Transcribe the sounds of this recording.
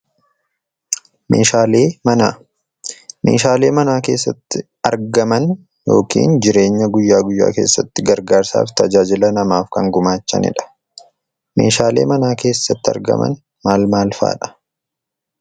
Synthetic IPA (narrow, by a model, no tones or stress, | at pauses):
meːʃaːleːmɐnaː | meːʃaːle̞ːmɐnaːke̞ːsːɐt̪ːɪ | ɐɾɡɐmɐn | jo̞ːkḭːnd͡ʒɪɾe̞ːɲːɐɡʊjːaːɡʊjːa̰ːke̞ːsːɐt̪ːɪɡɐɾɡaːɾsa̰ːft̪ɐd͡ʒaːd͡ʒɪlɐnɐmaːfkɐŋɡʊmaːt͡ʃːɐ̰nɪ̰ᶑɐ̥ | me̞ːʃaːle̞ːmɐnaːke̞ːsːɐt̪ːɪɐ̰ɾɡɐ̰mɐ̰n | maːlmaːlfa̰ːᶑɐ̥